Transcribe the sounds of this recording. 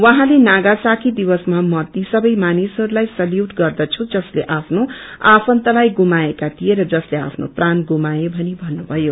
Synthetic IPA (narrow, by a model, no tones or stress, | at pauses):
wʌɦãlenaɡasakʰid̪iwʌsmamʌt̪isʌbʌjmanisɦʌɾulajsʌljuʈɡʌrd̪ʌt͡sʰud͡zʌsleʔapʰnoapʰʌnt̪ʌlajɡumaekat̪ijeɾʌd͡zʌslea̰pʰno̰pranɡumajebʱʌnibʱʌnːubʱʌjo